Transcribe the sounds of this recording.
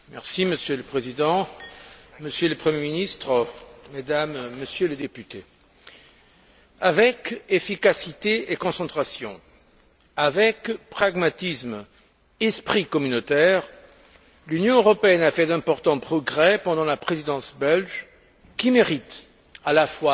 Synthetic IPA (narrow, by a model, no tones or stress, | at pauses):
mɛʁsiməsjøləpχezid̪ɑ̃ | məsjøləpχəmjeminist̪χəmed̪amːəsjøləd̪epyt̪e | avɛkefikasit̪eekɔ̃sɑ̃t̪χasjɔ̰̃ | avɛkpχaɡmat̪ism | ɛspχikɔmynot̪ɛʁ | lynjɔ̃øʁɔpeɛnafɛd̪ɛ̃pɔʁt̪ɑ̃pχɔɡʁɛpɑ̃d̪ɑ̃lapχezid̪ɑ̃sbɛlʒ | kʲimeʁit̪ | alafwa